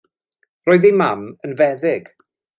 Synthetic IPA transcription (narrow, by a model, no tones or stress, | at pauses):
rɔːɨðejmamənvɛðɪɡ̥